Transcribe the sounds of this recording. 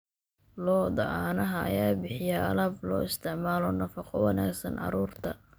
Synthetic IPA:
lɔːd̪ɐʔaːnɐɦɐɐ̰jaːbɪħɪjaʔɐ̰lɐblɔ̰ːɪst̪ʰɪʕmaːlɔnɐfɑqɔwɐnɛːɡsɐnʔɑ̰ɾuːrt̪ʰɐ

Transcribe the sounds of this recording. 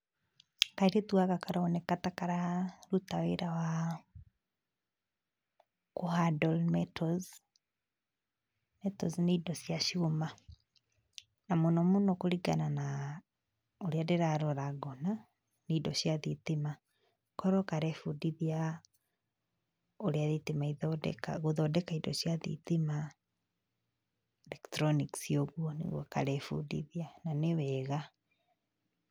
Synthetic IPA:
kaiɾetwaɣakaɾaɔnɛkatakaɾaɾutaweɾawa | kohadɔlmɛtɔz | mɛtɔzneidɔsjaʃioma | namonɔmunokoɾiɡanana | oɾiadeɾaɾɔɾaɡɔna | neidɔɕjaðitima | kɔɾɔkaɾɛfudiðia | oɾeaðitemaiðɔdɛ̰kaɣoðɔdɛkaidɔ̰ɕjaðḭtima | ɛlɛktɾɔniksioɣwɔnḛɣwɔka̰ɾɛfṵdḭðiananewɛɣa

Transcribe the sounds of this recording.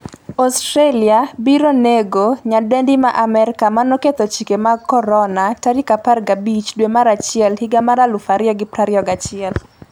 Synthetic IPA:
ɔstɾeliabiɾoneɡoɲadɛndimaʔamɛɾɪkamanɔket̪ɔt͡ʃikemakɔɾɔnataɾikaparɡabit͡ʃdwemaɾat͡ʃɪɛlhiɡamaɾalʊfaɾɪjɔɡɪpɾaɾɪɔɡat͡ʃɪɛl

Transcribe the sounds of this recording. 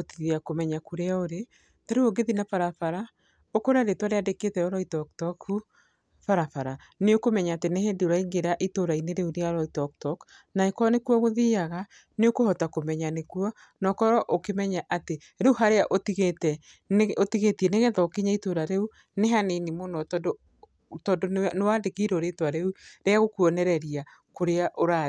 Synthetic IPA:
otiðiakomɛɲakuɾeaoɾe | taɾeuoɡeðinafaɾafaɾa | okoɾaɾetwaɾeadeketɛɔɾɔitɔk̚tɔkhu | faɾafaɾa | neokomɛɲaːtenehendoɾaiŋɡeɾaʔitoɾaineɾeuɾeaɾɔitɔk̚tɔk | naekɔnekuɔɣoðiaɣa | neokohɔtakomɛɲanekuɔ | nɔːkɔɾɔʔokemɛɲaʔate | ɾeuɦaɾeaʔotiɣetɛ | notiɣetiɛneɣɛðɔkiɲaitoɾaɾeu | neɦanenimonɔtɔdo | tɔndonewadekiɾoɾetwaɾeuɾeaɣokuɔnɛɾɛɾia | koɾeaʔoɾa

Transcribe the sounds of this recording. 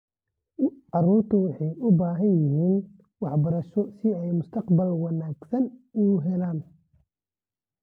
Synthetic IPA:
ɑruːrt̪ʰʊwɑħɑjʔʊbaːɦɐnjɪɦiːn | wɑħbɐɾɐʃɔsɪɛjmʊst̪ʰɐqbɐlwɑnaːɡsɐnuːɦɛlaːn

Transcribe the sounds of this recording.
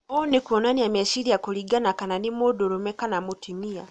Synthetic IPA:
onikuonaniameʃiliakuliɡanakananimodoɾomekanamutimia

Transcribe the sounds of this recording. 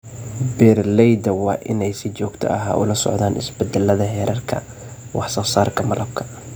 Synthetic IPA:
bɛrlɛjd̪ɐwɑːʔɪnɛjsɪt͡ʃɔːɡt̪ʰɐ̰ʔɐɦa̰ʔʊ̰lɐsɔ̰ʕðaːnɪ̰sbɛd̪ɛlːɐðɐɦɛːɾʔɐrkʰɐ̰ | wɑħsɐχsaːrkʰɐmɐlʔɐb̚kʰɐ̥

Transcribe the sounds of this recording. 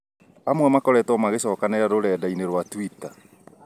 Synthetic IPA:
amwɛmakɔɾɛtɔmaɣeɕɔːkanɛɾaɾoɾɛːdaineɾwatwita

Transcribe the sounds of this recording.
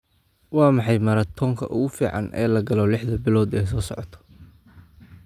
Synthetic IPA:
wɑːmɑħɑjmɐɾɐt̪ʰɔːŋkʰɐ̰ʔʊɣʊfiːʕɑ̰nʔɛ̰ːlɐɡɐlɔlɪħðɐbɪlɔːd̪ɛjsɔːsɔ̰ʕɔt̪ʰɔ̥

